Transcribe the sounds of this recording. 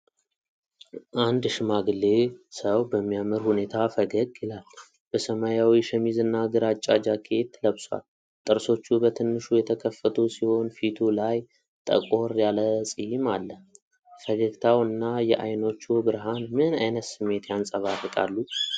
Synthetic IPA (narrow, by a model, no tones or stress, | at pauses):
ʔand̪ʃɨmaɡɨlːe̞səwbəmːijamɨɾhune̞t̪ʰafəɡəɡʼjɪlal | b̥əsəmajawiʃəmizɨnːaɡɨɾat͡ʃʼːad͡ʒakʰe̞t̪ːləβswa̰l | t̪ʼɨɾso̞t͡ʃːubət̪ʰɨnːɨʃujɛt̪ʰəkʰəfːət̪ʰusiho̞nfit̪ʰulaj | t̪ʼə̰kʼo̞ɾjaləsʼɨjimalːə | fəɡəɡt̪ʰawɨnːajɛʔa̰jno̞t͡ʃːubɨɾɦanmɨna̰jnət̪sɨmːe̞t̪jansʼəβarɨkʼa̰lːu